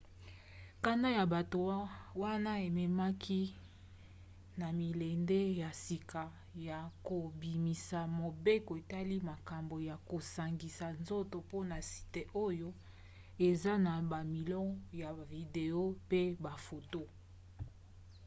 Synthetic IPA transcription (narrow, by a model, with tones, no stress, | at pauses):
ka˦na˦ja˨ba˨to˨˦wa˦na˦e˨mɛ˨ma˦kʰi˦ | na˨mi˨le˨nde˦ja˨si˨ka˨ | ja˨ko˨bi˨mi˨sa˨mo˨be˦ko˨e˨ta˦li˦ma˨ka˨mbo˨ja˨ko˨sa˨ŋɡi˨sa˨nzo˦to˨po˦na˨si̥˨te˦ʔo˦jo˦ | e˨za˦na˨ba˨mi˨lɔ˦ja˨vi˨de˨o˦pe˦ba˨fo˨to˦